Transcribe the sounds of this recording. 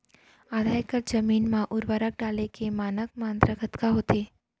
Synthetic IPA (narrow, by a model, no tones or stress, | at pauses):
aːd̪ʱaːjkəɾd͡ʒɐmiːnmãʔʊɾʋəɾək̚ɖaːlekemaːnək̚mãːnd̪ɾəɡʱɐt̪kaɦoːt̪eː